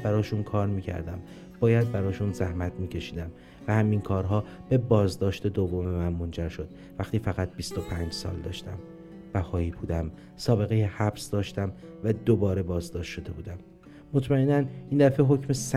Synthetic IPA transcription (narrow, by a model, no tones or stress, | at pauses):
bæɾɒːʃunkʰɒːɾmiːcʰæ̰ɾd̪æm | b̥ɒːjæd̪̚bæɾɒːʃuːnzæhmæt̪ʰmiːcʰe̞ʃiːd̪æm | væhæminkʰɒːɾɦɒːb̥e̞bɒːzd̪ɒːʃt̪e̞d̪ovːome̞mænmo̞nd͡ʒæɾʃo̞d̪̥ | væxt̪iːfæɣæt̪̚bist̪o̞pʰæːnd͡ʒsɒ̰ːld̪ɒ̰ːʃt̪æm | bæhɒːiːbuːd̪æm | sɒːbe̞ɣejehæbsd̪ɒːʃt̪æmvæd̪obɒːɾe̞bɒːzd̪ɒːʃt̪ʃo̞d̪e̞buːd̪æmː | ot̪ʰmæenæniːnd̪æfe̞ɦo̞cʰmesæ